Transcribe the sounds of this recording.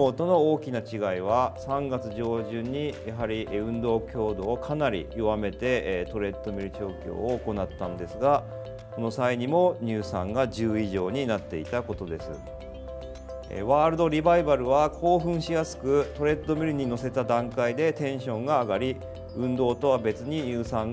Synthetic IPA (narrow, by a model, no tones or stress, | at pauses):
oːt̪o̞no̞oːkʲinat͡ɕiɡaiβ̞asãŋɡat͡sɨʑo̞ːʑɨ̃ɲ̟ːijaɦaɾʲiʔɯ̟̃nd̪o̞ːkʲo̞ːd̪o̞ːkʰanaɾʲḭoβame̞t̪e̞t̪o̞ɾe̞t̪ːo̞mʲiɾɯ̟t͡ɕo̞ːkʲo̰ːoːko̞nat̪ːãnd̪e̞sɨɡa | ko̞no̞saiɲ̟imo̞ɲ̟ɨːsãŋɡaʑɨːiʑo̞ːɲ̟inat̪ːe̞it̪ako̞t̪o̞d̪e̞sɨ̰ | ḛβaːɾɯ̟d̪o̞ɾʲibaibaɾɯ̟βakʰo̞ːɸɯ̟̃ɰ̃ɕijasɨ̥kɯ̟t̪o̞ɾe̞t̪ːo̞mʲiɾɯ̟ɲ̟ino̞se̞t̪ad̪ãŋkaid̪e̞t̪ẽ̞ɰ̃ɕõ̞ŋɡaːɡaɾʲi | ɯ̟̃nd̪o̞ːt̪o̞βabe̞t͡sɨɲ̟iɲɯːsãŋ